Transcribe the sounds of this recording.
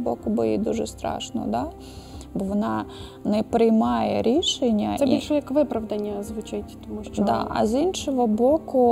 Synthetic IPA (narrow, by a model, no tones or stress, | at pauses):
bokʊbojid̪uʐɛst̪ɾɑ̰ʂnɔ̰d̪a | boɔʋɔna | nɛpɾɪjmɑjɛ̰ɾʲiʃenʲːɐsɛbʲilʲʃɔjɐkʋɪpɾɐʋd̪ɐnʲːɐzʋʊt͡ʃatʲt̪ɔmuʃd̪a̰ʔɐ̰zʲinʃɔʋɔbokʊ